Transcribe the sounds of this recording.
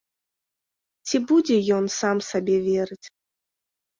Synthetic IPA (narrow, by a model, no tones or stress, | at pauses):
t͡sʲibud͡zʲɛjɔnsamsabʲɛvʲɛɾɨt͡sʲ